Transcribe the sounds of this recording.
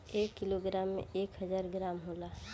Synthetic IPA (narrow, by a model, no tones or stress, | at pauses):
eːkːɪloɡɾaːmːḛ̃eːkɦəd͡ʒaːɾɡɾaːmɦoːlaː